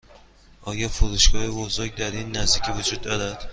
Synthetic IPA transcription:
ʔɒːjɒːfoɾuʃɡɒːhebozoɾɟd̪æɾiːnːæzd̪iːcʰivod͡ʒuːd̪ːɒːɾæd̪̥

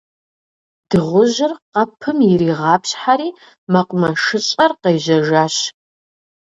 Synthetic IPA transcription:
d̥ɨʁʷʊʑɪrqɐpʰɨmjɪɾiːʁɑːpɕħaɾiː | mɐqʷʼmɐʂɨɕʼɐrqejʑɐʒaːɕ

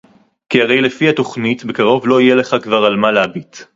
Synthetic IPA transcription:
kiaʁe̞jle̞fihato̞χnitbe̞kaʁo̞vlo̞ijele̞χakvaʁalmaleabit

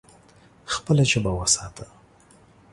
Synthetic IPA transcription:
xpəlat͡ʃebawəsɑt̪ʰə

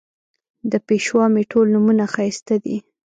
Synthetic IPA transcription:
d̪əpeʃwɑmeʈʰolnumunaxajst̪ad̪ḭ

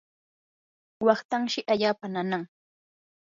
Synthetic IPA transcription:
wɑχt̪aŋʃɪʔaʎaːpananaŋ

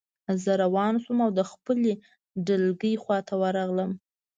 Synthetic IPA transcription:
zəɾawɑnsumawd̪əxpəle | ɖəlɡəjxwɑt̪ʰawəɾɑɣləm

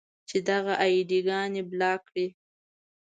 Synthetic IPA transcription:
t͡ʃed̪aɣaʔajid̪iɡɑneblɑkɽi

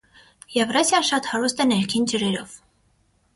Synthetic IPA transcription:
jɛvrɑsjɑʃɑt̪hɑɾust̪ɛnɛɾkʰind͡ʒəɾɛɾɔv̥

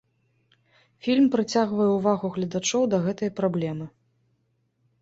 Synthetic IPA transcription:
fʲilʲmpɾɨt͡sʲaɣvɐjɛwvaɣuɣlʲɐd̪at͡ʂɔwd̪ɐɣɛt̪ɨjɐpɾablʲɛmɨ

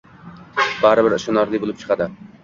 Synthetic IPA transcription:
b̥æɾɪbɪɾʃonɑɾlˠɪjbolˠɨp̚t͡ʃʰɨ̥qʰɑd̪ɪ

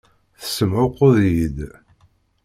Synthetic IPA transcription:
θə̥səmʕʊqːʊðjid̪

